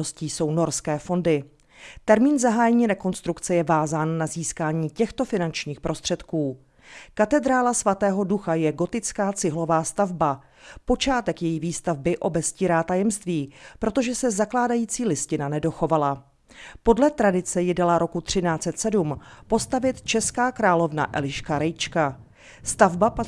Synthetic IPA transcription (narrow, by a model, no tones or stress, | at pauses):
osciːso̞wno̞ɾskɛːfo̞ndɪ | t̪ɛɾmiːnzaɦaːjɛɲiːɾɛko̞nst̪ɾukt͡sɛjɛvaːzaːnːaziːskaːɲiːcɛxt̪o̞fɪnant͡ʃɲiːxpɾʔo̞st̪r̝̥ɛt̪kuː | kat̪ɛd̪ɾaːlasvat̪ɛːɦo̞duxajɛɡo̞t̪ɪt͡skaːt͡sɪɦlo̞vaːst̪avba | po̞t͡ʃaːt̪ɛkjɛjiviːst̪avbɪʔo̞bɛsciːɾaːt̪ajɛmst̪viːpɾo̞t̪o̞ʒɛsɛzaklaːdajiːt͡siːlɪscɪnanɛdo̞xo̞vala | po̞dlɛt̪ɾadɪt͡sɛjɪdɛlaɾo̞kut̪r̥ɪnaːt͡sɛt̪sɛdumpo̞st̪avɪt̪t͡ʃɛskaːkɾaːlo̞vna̰ʔɛ̰lɪʃkaɾɛjt͡ʃka | st̪avbap